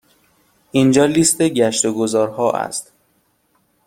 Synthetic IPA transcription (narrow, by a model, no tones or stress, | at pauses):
ʔind͡ʒɒːliːst̪eɟæʃt̪oɡozɒːɾhɒːʔæ̰st̪